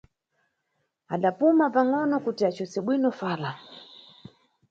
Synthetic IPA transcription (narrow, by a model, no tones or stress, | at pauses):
aɗapumapaŋɔnɔkutiat͡ʃɔsɛɓwinɔfaːla